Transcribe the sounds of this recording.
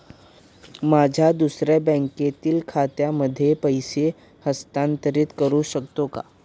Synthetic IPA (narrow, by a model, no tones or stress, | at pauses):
maːd͡ʒʱad̪usɾebɛ̃ŋket̪ilkʰaːt̪jaməd̪ʱːjepəjse | həst̪ãːnt̪əɾɪt̪kəɾuʃək̚t̪õka̰ː